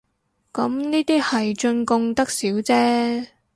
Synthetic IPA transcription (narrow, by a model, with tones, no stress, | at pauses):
kɐ˨˥mniː˥t̪iː˥hɐ˨jt͡ʃɵ˧nkʊ˧ŋt̪ɐ˥k̚siː˨˥wt͡sɛː˥